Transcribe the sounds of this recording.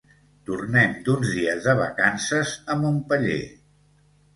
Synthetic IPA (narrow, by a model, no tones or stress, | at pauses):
t̪urnɛmd̪unzðiəzðəβ̞ə̰kansəzəmbumpəʎḛ